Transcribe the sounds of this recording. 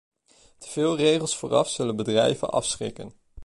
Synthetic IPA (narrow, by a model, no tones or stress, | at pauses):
tə̥v̥ɪːlˠrejχəlˠsfʊːrɑ̰fz̥ɵlənbədrɛjvə̰nʔɑ̰fsχɪkən